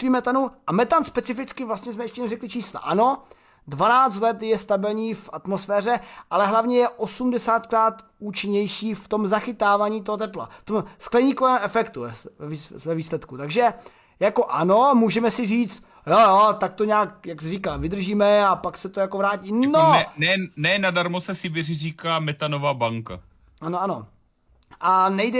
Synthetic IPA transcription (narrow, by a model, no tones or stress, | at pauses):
viːmɛt̪anuʔamɛt̪amspɛt͡sɪfɪt͡skɪvlast̪ɲɛsmɛjɛʃcɛnɛrɛklɪt͡ʃiːsla̰ʔano̞ | dvanaːt͡st̪lɛt̪jɛst̪abɪlɲiːfat̪mosfɛːr̝ɛʔalɛɦlavɲɛjɛʔo̞sumdɛsaːt̪kɾaːt̪ | uːt͡ʃɪɲɛjʃiːft̪o̞mzaxɪt̪aːvaːɲiːt̪̬oɦot̪ɛpla̰ft̪omsklɛɲiːkovɛːmʔɛfɛkt̪uɛɛivɛviːslɛt̪kut̪aɡʒɛ | jako̞ʔano̞muːʒɛmɛsɪriːt͡st̪ | jojot̪ak̚t̪oɲaːk̚jaksrikaːvɪd̪r̩ʒiːmɛapaksɛt̪o̞jakovɾaːciːnonɛnɛnadaɾmosɛsɪbɛrɪriːkaːmɛt̪anovaːbaŋka̰ | ʔanoano | ʔanɛjdɛ